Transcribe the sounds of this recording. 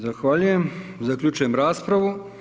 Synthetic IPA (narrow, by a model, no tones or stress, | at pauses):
zaxʋaːʎujemzakʎʲuːt͡ʃujemɾaːspɾaʋu